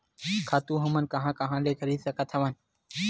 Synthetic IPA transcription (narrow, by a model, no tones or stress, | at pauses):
kʰaːt̪uːɦəmənkəɦãːkəɦãːleːkʰəɾiːsəkət̪ʰəʋən